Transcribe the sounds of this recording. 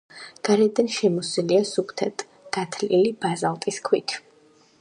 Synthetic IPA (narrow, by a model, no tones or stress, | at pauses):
ɡ̥aɾɛd̪anʃɛmɔsiliasupʰt̪ʰɛt̪ʰ | ɡ̥at̪ʰlilibazalˠt̪ʼiskʰwit̪ʰ